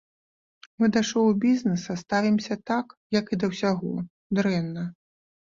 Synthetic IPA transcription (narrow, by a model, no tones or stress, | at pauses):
mɨd̪aʂɔwbʲiznɛsɐst̪avʲimsʲɐt̪akjɐkid̪ɐwsʲaɣɔ̰ | d̪ɾɛnːɐ